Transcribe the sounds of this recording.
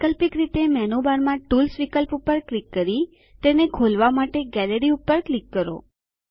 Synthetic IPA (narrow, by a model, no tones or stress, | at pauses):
kəlpikɾit̪emɛnubaɾmãʈulsʋikəlpupəɾklikːəɾi | t̪enekʰolʋamaʈeɡɛləɾiupːəɾklikːəɾo̰